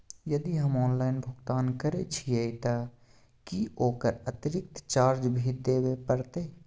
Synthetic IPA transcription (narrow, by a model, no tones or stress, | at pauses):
jɐd̪iɦɐmɔːnlaːɪnbʱʊɡt̪aːnkəɾet͡ʃʰiet̪a | kioːkəɾət̪ɪɾɪk̚t̪t͡ʃaːɾd͡ʒbʱiːd̪eːwepəɾt̪eː